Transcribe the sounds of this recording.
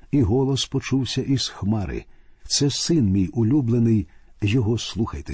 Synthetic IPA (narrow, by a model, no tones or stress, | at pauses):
iɦɔlˠɔspɔt͡ʃuwsʲɐʔiz̥xmɑɾɪ̰t̪sɛsɪnmʲijʊlʲublˠenɪjjɔɦɔslˠuxɐjt̪e